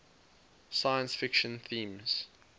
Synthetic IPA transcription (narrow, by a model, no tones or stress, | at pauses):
sajə̃nsfɪkʃə̃nθĩːmz̥